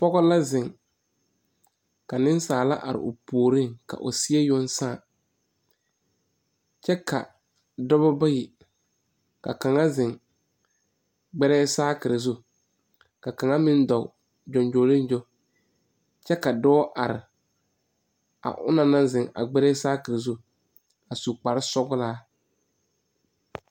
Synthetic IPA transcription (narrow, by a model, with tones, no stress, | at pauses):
pɔ˦ɣɔ˦la˦zɪ̃˨ŋ | ka˨nɪ˦n˦saː˨la˦ʔa̰˨ɾɪ̰˨ʊ˨poː˨ɾi˦˨ŋka̰˨ʔʊ̰˨si˦e˦jo˦n˦saː˦˨ | t͡ʃɛ˦kʰa̰˨ | dɔ˦bɔ˦ba˦ji˨ | ka̰˨ka˨ŋa˦zɪ˨ŋ | ɡ͡bɛ˦ɾɛː˦saː˦kɪ˨ɾɪ˨zu˦ | ka˨ka˨ŋa˦mɪ˦n˦dɔ˨ʊ˨ | d͡ʒɔ˨nd͡ʒoː˨lɪ˦n˦d͡ʒo˦ | t͡ʃɛ˦ka˨dɔː˦ʔa˨ɾɪ̰˨ | a̰˨ʔʊ̰˦na˨na˦zɪ˨ŋa̰˨ɡ͡bɛ˦ɾɛ˦saː˦kɪ˨ɾɪ˨zu˦ | a˨su˨k͡pa˨ɾɪ˦sɔ˦ɣʊ˦laː˦